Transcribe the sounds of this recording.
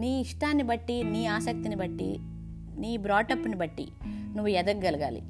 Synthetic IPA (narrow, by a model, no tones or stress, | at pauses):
niːiʂʈaːnːibɐʈːiniːaːsɐk̚t̪inibɐʈːḭ | niːbɾaːʈɐpːunibɐʈːḭ | nuʋːujɛd̪ɐk̚ɡɐlɐɡa̰ːlḭ